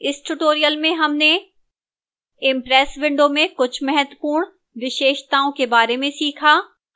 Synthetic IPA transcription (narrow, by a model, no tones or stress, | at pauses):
ɪsʈʊʈoːɾijəlmẽɦɐmne | ɪmpɾɛːsʋɪ̃ɳɖõmẽkʊt͡ʃʰmɛɦət̪wəpuːɾɽ̃ | ʋɪʃeːʃt̪aːõkebaːɾemẽsiːkʰaː